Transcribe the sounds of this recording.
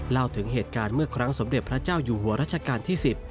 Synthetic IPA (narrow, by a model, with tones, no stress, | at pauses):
la˥˩wt̪ʰɯ˩˦ŋɦeː˨˩t̪̚kaː˧nmɯ˥˩ɐkʰɾa˦˥ŋso˩˦mde˨˩t̪̚pʰɾa˦˥t͡ɕaː˥˩wjuː˨˩ɦu˩˦ɐɾaː˥t̪̚t͡ɕʰa˧kaː˧nt̪ʰiː˥˩si˨˩t̪̚